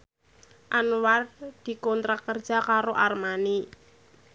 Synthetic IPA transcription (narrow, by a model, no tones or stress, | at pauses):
ʔanward̪̥i̤kɔnt̪ɾakərd̥ʒ̥a̤kaɾoʔarmani